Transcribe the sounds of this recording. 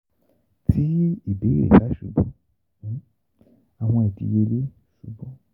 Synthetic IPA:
tʰi˦i˨be˨˦ḛ˨ta˨˦ʃu˨˧˦bɔ̃˦ | a˨w̃ɔ̃˧ɛ˨dḭ˧je˧le˦ | ʃu˨˦bɔ̃˦

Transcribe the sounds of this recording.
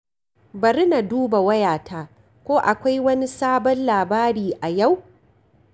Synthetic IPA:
bɐ˨ɾi˦na˨duː˦ba˨wɐ˦jaː˨taː˦ | kʷoː˦ʔa˨kʷa˦jwɐ˦ni˦saː˦bɔ˦nlaː˨baː˦ɾiː˨ʔa˨ja˦˨w

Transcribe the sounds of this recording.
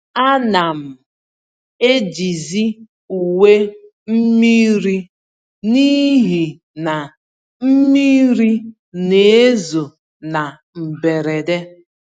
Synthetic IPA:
a˦na˨m̩˨ | e˦d͡ʒi˨zi˦ | u˨we˦ | m̩˦mi˦ɾi˦ | ni˦ɦi˨ | na˨ | m̩˦mi˦ɾi˦ | ne˨e˦zo˨ | na˨ | m̩˨be˨ɾe˨de˦

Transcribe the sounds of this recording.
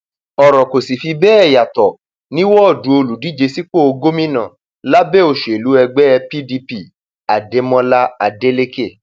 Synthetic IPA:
ɔ˨ɾɔ˨ko˨si˨fi˧bɛː˦ɛ˦˨ja˨tɔ˨ | nĩ˦wɔ˦ɔ˦˨du˨˦o˧lu˨˦di˦d͡ʒe˧si˦k͡po˦o˧ɡo˦mĩ˦nã˨ | la˦bɛ˦˨o˨ʃe˨lu˨˦ɛ˧ɡ͡bɛ˦˧pi˦di˧pi˦ | a˨de˨˦mɔ̃˧la˦a˨de˦le˦ke˦˨

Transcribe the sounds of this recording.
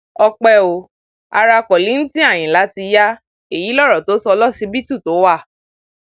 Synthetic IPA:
ɔ˧k͡pɛ˧o˨ | a̰˧ɾa˧kɔ˨li˨˦ñ̩˦tĩ˦a˦˨j̃ĩ˨la˨˦ti˧ja˦ | e˦˨ji˨˦lɔ˦ɾɔ˨to˨˦sɔ˧lɔ˦si˧bi˦tu˦˨to˨˦wa˦˨

